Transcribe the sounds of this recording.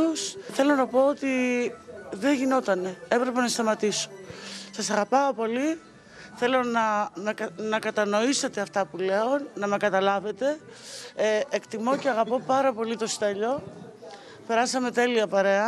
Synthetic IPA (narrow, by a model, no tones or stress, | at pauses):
usθe̞lo̞nɐpo̞ot̪i | ðeʝino̞t̪ɐne̞e̞pɾe̞pe̞nɐst̪ɐmɐt̪iso̥sɐsɐɣɐpɐopo̞li | θe̞lo̞nɐmenɐkɐt̪ɐno̞iset̪eɐft̪ɐpule̞o̞nnɐme̞kɐt̪ɐlɐve̞t̪e̞ | ekt̪imo̞ceɐɣɐpo̞pɐɾɐpo̞lit̪o̞si̥t̪ɐʎo̞ | pe̞ɾɐsɐme̞t̪e̞liɐpɐɾe̞ɐ